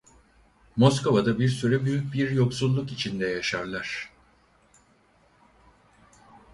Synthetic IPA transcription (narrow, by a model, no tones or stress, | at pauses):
mo̞skʰo̞vad̪abiɾsyɾɛbyjyc̚ʲbiɾjo̞ksulˠːukit͡ʃʰind̪ɛjaʃaɾlˠaɾ̥